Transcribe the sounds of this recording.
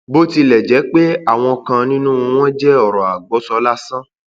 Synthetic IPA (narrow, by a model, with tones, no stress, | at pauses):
bo˦ti˧lɛ˨d͡ʒɛ˨˦k͡pe˦a˦˨w̃ɔ̃˧kã˧nĩ˦nũ˦˧w̃ɔ̃˦d͡ʒɛ˦ɔ˨ɾɔ̃˨a˨ɡ͡bɔ˨˦sɔ˧˦la˦sã˦